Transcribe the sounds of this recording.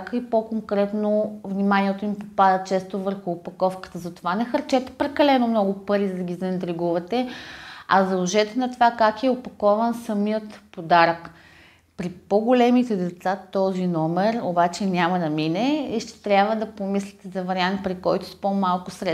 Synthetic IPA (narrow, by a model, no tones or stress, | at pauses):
kəipokoŋkɾɛt̪novnimanʲiɛt̪oimpopad̪ət͡ʃɛst̪ovəɾxʊːpɐkɔfkə̥t̪əzɐt̪ovanɛxɐɾt͡ʃɛt̪ɛ̥pɾɛkɐlɛnomnɔɡʊpəɾizəd̪ɐɡʲizɐnɛnt̪ɾiɡuvɐt̪ɛ | ɐzɐlˠoʒɛt̪ɛnɐt̪ovakakiɛopɐkɔvənsɐmiət̪pod̪aɾək | pɾipoɡolɛmit̪ɛd̪ɛt̪sat̪ɔzinɔmɛɾo̰bat͡ʃɛnʲamɐd̪ɐminɛiʃt̪ɛ̥t̪ɾʲjabvəd̪ɐpomislʲit̪ɛzɐvɐɾiant̪̚pɾikɔjt̪ʊ̥spomalˠkʊsɾɛ